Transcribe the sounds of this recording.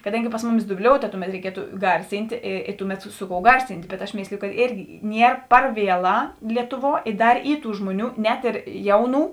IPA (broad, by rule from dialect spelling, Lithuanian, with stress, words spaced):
kɐˈdɐŋʲɡʲɪ ˈpɐs mʊˌmʲɪs dʊˈbʲlʲoːʊtɐ ˈtʊˌmʲɛt rʲɛɪˈkʲiɛtʊ ˈɡɐrʲsʲɪnʲtʲeː eː eː ˈtʊˌmʲɛt ˈsʊ ˌkoːʊ ˈɡɐrʲsʲɪnʲtʲ bʲɛt ɐʃ ˈmʲeːsʲlʲɪjʊ kɐt ˈeːrʲɡʲɪ ˈnʲiɛr ˈpɐr ˈʋʲiɛˌlˠɑː ˈlʲiɛtʊˌʋuɔ ɪ ˈdɐr ˈiː ˈtuː ˈʒmuɔˌnʲuː nʲɛt ɪr ˈjɛʊˌnuː